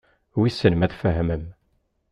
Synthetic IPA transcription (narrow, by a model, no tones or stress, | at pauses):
wisənəmæθfəɦməm